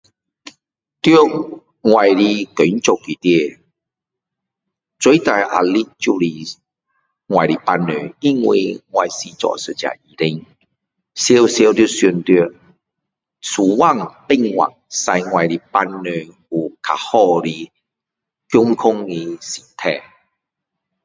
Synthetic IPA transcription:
t̪jo˦˧˦ | ŋwa˨˩jli˧ko˨˦nt͡ɕo˨ki˨t̪je˧˨ | t͡swe˦t̪a˨˩jʔa̰˨˩li˦t͡ɕu˥˧li˧ | ŋwa˨jɾi˨pa˧nːḛ˨i˦ŋwḭ˨˧ŋwa˨jsi˧t͡sɔ̰˨sɨ˨t͡ɕja̰˨i˨ɾi˧ŋ | sje˧˦wsje˧wt̪ju˧su˧˩nt̪i˧˨ | t͡sʰu˨wa˥˨ŋpi˥˧ŋwa̰˨k̚sa˧jŋwa˨˩jɾi˧pa˧nːø˨˩ | u˨kʰa̰˨˩hɔ˥˧ɾi˧ | kju˦ŋkʰʊ˦ŋi˧si˨˩t̪ʰɛ˥˧˨

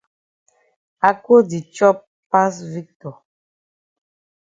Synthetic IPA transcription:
a˨ko˦di˨t͡ʃɔ˦p | pa˦svi˦k̚tɔ˨

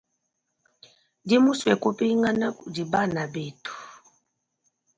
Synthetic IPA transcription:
di˦mu˦swɛ˨ku˦pi˦ŋɡa˦na˦˨di˨ba˦˨na˨be˨tu̥˨

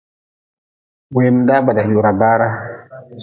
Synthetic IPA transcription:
bwe˨m˨da˦ba˨da˨ju˨ɾa˨ba˦ɾa˦

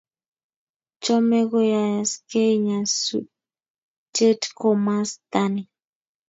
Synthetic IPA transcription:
t͡ʃɔ˦mɛ˦ɡɔ˦ja˨ja˨ske˦ɲa˨su | te˦tko˨ma˦st̪a˦ni˨

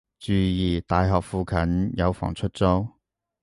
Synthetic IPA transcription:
t͡ʃyː˨˧jiː˨˩t̪aː˨jɦɔː˨k̚fuː˧kʰɐ˨˥njɐ˨˧wfɔ̰ː˨˩ŋt͡sʰɵ˥t̚t͡so˥w

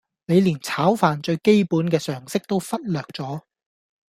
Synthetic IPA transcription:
ne˨˧jliː˨˩nt͡sʰaː˨˥wfaː˨nt͡ʃɵ˧ɥke˥jpuː˨˥nkɛː˧sœː˨˩ŋsɪ˥k̚t̪o˥wfɐ˥t̚lœː˨˩k̚t͡sɔː˨˥

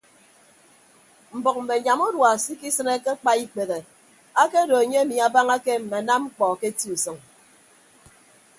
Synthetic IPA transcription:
m̩˨bɔ˨k̚m̩˨me˨ɲa˨mo˦dwa˨si˦ki˦sɨ˦ne˦ke˦k͡pa˦i˦k͡pe˨ɣe˨ | a˦ke˦do˨e˨ɲe˦a˦mi˨a˨ba˦ŋa˦ke˦m̩˨me˨na˦mŋ͡m̩˦k͡pɔ˨ke˦ti˦u˨sɨ˨ŋ

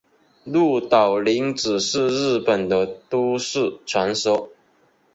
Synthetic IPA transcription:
lu˥˩t̪ɑ˨˩ʊli˧˥ŋʈ͡ʂɻ̩˨˩ʂɻ̩˥˧ɻ̩˥˩pə˨˩nd̪ə˦t̪u˥ʂɻ̩˥˩ʈ͡ʂʰwa˧˥nsɔ˥

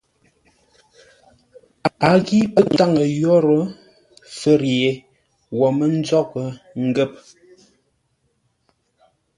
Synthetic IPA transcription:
a˨˦ɣi˦pə˦kta˦˨ŋə˨jɔ˦ɾə˦ | fə˨ɾe˨ | wɔ˨mə˦n̩˦d͡zɔ˦k̚ə˨ | ŋ̩˦ɡə˦˨p̚

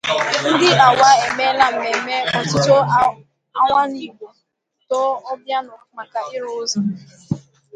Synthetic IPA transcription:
n̩˦dɪ˦a˨wa˦e˨me˦la˨m̩˨me˨me˦ɔ˨tʊ˦to˦ | a˦ŋʷa˦ni˨ɡʷo˨ | tɔ˦ɔ˦bja˦nʊ˨ma˨ka˨ɪ˦ɾʊ˦zɔ˨

